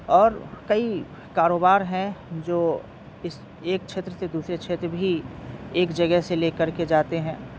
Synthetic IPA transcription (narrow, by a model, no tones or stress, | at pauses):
ɔːɾkɐi | kaːɾoːbaːɾɦɛ̃d͡ʒoː | ɪs | eːk̚t͡ʃʰeːt̪ɾəsed̪uːsɾet͡ʃʰeːt̪ɾəbʱieːkd͡ʒɐɡɛɦseleːkɐɾked͡ʒaːt̪eɦɛ̃ː